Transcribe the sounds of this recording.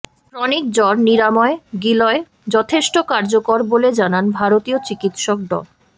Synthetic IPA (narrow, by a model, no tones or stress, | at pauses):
fɾɔnik̚d͡ʑɔɾniɾamɔeɡilɔe | d͡ʑɔt̪ʰeʃʈokaɾd͡ʑokoɾboled͡ʑananbʱaɾot̪iot͡ɕikit̪ʃok̚d̪ɔ̰l